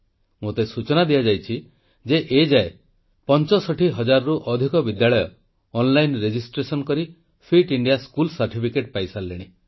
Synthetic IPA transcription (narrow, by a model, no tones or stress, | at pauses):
mot̪esut͡ʃɔnad̪ijad͡ʒajt͡ʃʰi | d͡ʒeʔed͡ʒae | pɔnt͡ʃɔsɔʈʰiɦɔd͡ʒaɾɔɾuʔɔd̪ʱikɔbid̪jaɭɔjɔː | nlajnɾed͡ʒisʈɾesɔnkɔɾi | pʰiʈiɳɖijaskulsaɾʈipʰikeʈpajsalːeɽ̃i